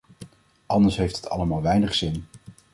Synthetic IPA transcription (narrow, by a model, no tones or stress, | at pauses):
ʔɑndəɹsɦejftɦətʰɑ̰ləmaːlˠʋɛjnəχsɪn